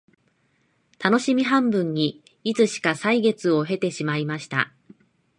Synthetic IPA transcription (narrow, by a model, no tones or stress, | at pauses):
t̪ano̞ɕimʲiɦãmbɯ̟̃ɲ̟ːi | it͡sɨɕi̥kasaiɡe̞t͡sɨo̞ɦe̞t̪e̞ɕimaimaɕi̥t̪a̰